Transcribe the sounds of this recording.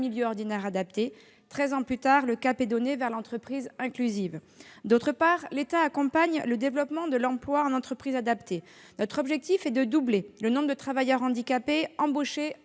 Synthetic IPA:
miljøɔʁd̪inɛʁad̪ap̚t̪e | t̪χɛzɑ̃plyt̪aʁləkapɛd̪ɔnevɛʁlɑ̃t̪χəpχizɛ̃klyziv | d̪ot̪χəpaʁlet̪aːkɔ̃paɲləd̪evlɔpmɑ̃d̪əlɑ̃plwaɑ̃nɑ̃t̪χəpχizad̪apt̪ʰe | nɔt̪χɔbʒɛk̚t̪ifɛd̪əd̪ublelənɔ̃bʁəd̪ət̪χavajœʁɑ̃d̪ikapeɑ̃boʃe

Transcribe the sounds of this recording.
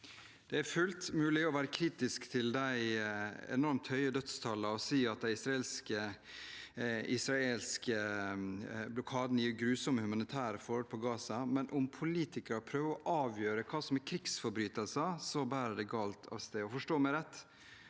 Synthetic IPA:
d̪̥ɛæɾfʉlt̪mʉːlɪɔʋæːɾəkʰɾiːt̪ɪskt̪ʰɪld̪æɪɛ̰nɔɾmt̪hœʏəd̪œt̪st̪ʰɑlːɑɔsiːɑt̪̚d̪æɪɪsɾɑeːlskə | ɪsɾɑeːlskʰə | blʊkʰɑːd̪n̩jɪːɾɡɾʉːsɔməhʉmɑnɪt̪ʰæːɾɪfɔɾhɔlpʰɔɡɑːsɑmɛnʔʊmpʰʊliːt̪ʰɪkəɾpʰɾøːʋəɔʔɑːʋjøːɾəkʰɑːsɔmækʰɾɪksfɔɾbɾyːt̪əlsɑsɔbæːɾəd̪ɛɡɑːlt̪ʰɑ̰ʋst̪eːɔfɔʂʈoːmæɪɾɛt̪ː

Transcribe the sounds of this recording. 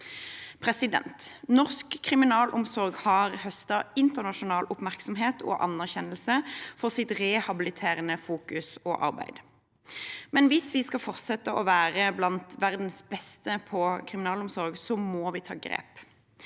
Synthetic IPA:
pʰʁɛsɪd̪ɛ̰nt̪nɔʁskʰːʁɪmɪnɑːlʔʊmsɔʁɡhɑʁhœst̪ɑɪnt̪əʁnɑʃʊnɑːlʔʊpmæʁksɔmɦeːt̪ʰo̰ːʔɑ̰nːæʁçɛnəlsəfɔʁsɪt̪ʁɛhɑbɪlɪt̪ʰeːʁənəfuːkʉso̰ʔɑ̰ʁbæ̰ɪd̪̥ | mɛnʋɪsʋiːskɑfɔʁt̪sɛt̪əʔoːʋæːʁəblɑnt̪ʋæʁd̪n̩sbɛst̪əpʰɔkʰʁɪmɪnɑːlʊmsɔʁɡsɔmoːʋiːt̪ʰɑ̰ːɡʁḛːp

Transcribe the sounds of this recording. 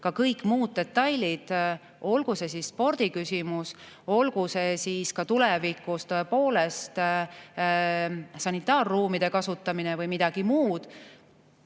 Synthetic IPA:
kɑkɤjkːˑmuːd̪̥̚ːe̞t̪ːɑjlʲid̪̥ | o̞lɡ̥use̞sisːpo̞rd̪̥ikysʲimus | o̞lɡ̥use̞siskɑt̪ulevikˑust̪oepo̞ːle̞st̪ | sɑnit̪ˑːɑːrːuːmid̪̥e̞kɑsut̪ːˑɑminevɤjmid̪̥ɑɡ̥imuːd̪̥

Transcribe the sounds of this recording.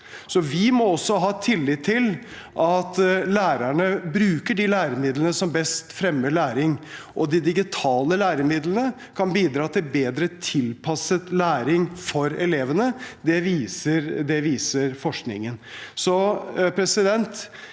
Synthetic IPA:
sɔʋɪmɔɔsːɔɦɑːt̪ʰɪlːɪt̪ʰːɪl | ʔɑt̪læːɾæɳəbɾʉːkəɖilæːɾəmɪd̪lənəsɔmbɛst̪fɾɛmːəɭæːɾɪŋʔɔd̪ɪd̪ɪɡɪt̪ʰɑːləlæːɾəmɪd̪lənə | kʰɑnbiːd̪ɾɑːt̪ʰɪlbeːd̪ɾət̪ʰɪlpʰɑsət̪læːɾɪŋfɔɾɛleːʋənəd̪ɛʋiːsəɾd̪ɛʋiːsəɾfɔʂknɪ̰ŋənsɔpʰɾɛsɪd̪ɛnt̪

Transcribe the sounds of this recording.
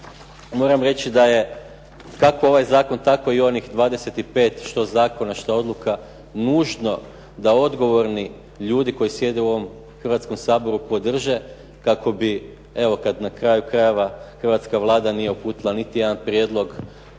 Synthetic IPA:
mo̞ːɾamɾe̞t͡ʃid̪aje̞ | kakoo̞ʋajzaːko̞nt̪ako̞io̞nixd̪ʋaːd̪e̞se̞t̪ipe̞ːt̪ʃt̪o̞zaːko̞naʃt̪ao̞d̪lˠuka | nuːʒno̞ | d̪ao̞d̪ɡo̞ʋo̞ɾni | ʎuːd̪iko̞jisje̞d̪euo̞ʋo̞m | xr̩ʋat̪sko̞msaːbo̞ɾupo̞d̪r̩ʒe̞ | kakʰo̞bi | e̞ʋo̞kad̪nakɾaːjukɾaje̞ʋaxər̩ʋat̪skaʋlˠaːd̪anijeupuːt̪ilˠanit̪ije̞d̪anpɾje̞d̪lˠo̞ɡ

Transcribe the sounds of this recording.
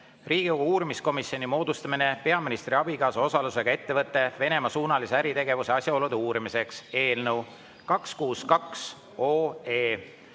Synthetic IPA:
riːɡ̥ioɡuːɾimisko̞misio̞nimo̞ːd̪̥ust̪ɑmine̞pe̞ɑminist̪ɾiɑbiɡɑːsuo̞sɑluse̞ɡɑe̞t̪ːe̞vɤt̪ˑːe̞ve̞ne̞mɑsuːnɑliseæɾit̪e̞ɡe̞vuse̞ɑsʲjɑo̞lud̪̥euːɾimise̞kse̞ːlnəw | kɑkskuːskɑks | o̞ːeː

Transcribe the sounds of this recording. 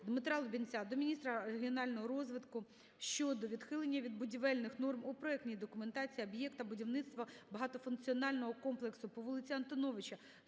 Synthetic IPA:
d̪mɪt̪ɾɑlˠʊbʲinʲt͡sʲad̪ɔmʲinʲist̪ɾɐɾeɦʲiɔnɑlʲnɔɦɔɾɔzʋɪt̪kʊ | ʃt͡ʃɔd̪ɔʋʲid̪xɪlˠenʲːɐʋʲid̪̚bʊdʲiʋɛlʲnɪxnɔrmʊpɾɔɛknʲijd̪ɔkʊment̪ɑt͡sʲiiɐbjɛkt̪ɐbʊdʲiwnɪt̪st̪ʋɐbɐɦɑt̪ɔfʊnkt͡sʲiɔnɑlʲnɔɦɔkɔmplˠeksʊpɔʋɔlˠɪt͡sʲiɐnt̪ɔnɔʋɪt͡ʃɐ

